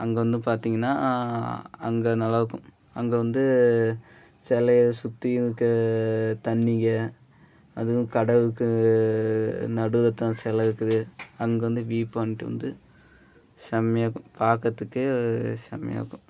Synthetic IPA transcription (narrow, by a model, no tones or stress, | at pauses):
ʔɐŋɡɐʋɐnd̪ɯpaːɾt̪iːŋɡɐnːa̰ː | ɐŋɡɐnɐlɐʋɯkːɯ̃ | ɐŋɡɐʋɐnd̪ɯ | sɛlɐsʊt̪ːɪjɯkːɯt̪ɐnːɪŋɡɐ | ɐðɯɣʊ̃kɐɽɐʋɯkːɯ | nɐɽɯðɐt̪ːãːsɛlɐɯkːɯðɯɐŋɡɐʋɐnd̪ɯʋiːpːaːnɪʈːɯʋɐ̰nd̪ɯ | sɐmjaːkːʊ̃paːkɐt̪ːɯkːɯsɐ̰mja̰ːkːʊ̃